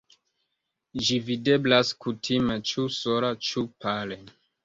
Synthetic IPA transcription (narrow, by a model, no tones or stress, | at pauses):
d͡ʒivide̞blaskutʰimet͡ʃusoɾat͡ʃupale